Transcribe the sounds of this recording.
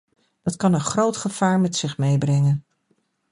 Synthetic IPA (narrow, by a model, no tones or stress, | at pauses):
d̥ɑtkɑnənχrowtχəv̥aːɹmɛtsɪχmejbrɛŋən